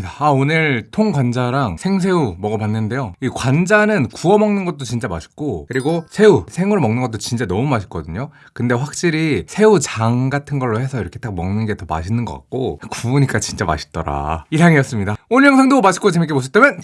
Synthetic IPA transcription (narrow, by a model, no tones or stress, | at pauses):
aaonɯɭtʰoŋɡwand͡ʑaɾaŋsʰe̞ŋs̬ʰe̞umʌɡʌpanːɯnde̞joikwand͡ʑanɯnkuʌmʌŋnɯnɡʌt̚t͈ot͡ɕint͡ɕ͈amaɕʰi̥k̚k͈okɯɾiɡosʰe̞usʰe̞ŋuɾɭmʌŋnɯnɡʌt͈ot͡ɕint͡ɕ͈anʌmumaɕʰi̥k͈ʌdɯɲo | kɯnde̞ɸwak̚ɕ͈iɾisʰe̞ut͡ɕaŋɡatʰɯnɡʌɭːohe̞sʰʌiɾʌkʰe̞tʰak̚mʌŋnɯnɡe̞tʌma̰ɕʰinɯnɡʌk͈a̰k̚k͈okuuɲik͈at͡ɕint͡ɕ͈ama̰ɕʰi̥t͈ʌɾa̰iɾʰaŋijʌs͈ɯmɲidaonːjʌŋsʰaŋdomaɕʰik͈ot͡ɕemik͈eboɕʰit͈emjʌn